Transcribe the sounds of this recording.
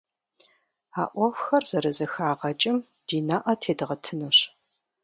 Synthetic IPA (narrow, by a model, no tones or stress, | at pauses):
aːʔʷɔwxɐrz̥ɐɾɐzɐxaːʁɐt͡ʃʼɪm | d̥iːnaːʔɐtʰeːdɨʁɐtʰɨnuɕ